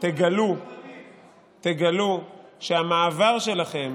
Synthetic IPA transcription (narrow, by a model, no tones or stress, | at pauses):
t̪eɡalu | t̪eɡaluʃeamaːvaʁʃe̞laχe̞m